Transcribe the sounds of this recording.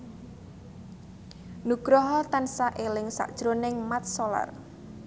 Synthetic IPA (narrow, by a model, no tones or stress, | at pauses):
nuɡ̥ɾɔɦɔt̪ansaʔelɪŋsa̰ʔd̥ʒ̥ɾonɪŋmat̪̚sola̰r